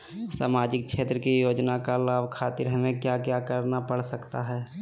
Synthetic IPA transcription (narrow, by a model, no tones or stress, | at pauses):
sa̰ːmaːd͡ʒɪk̚ʃeːt̪ɾəkijoːd͡ʒnakalaːbkʰaːt̪ɪɾɦɐmẽkjakjaːkəɾnapəɽsəkt̪aɦɛː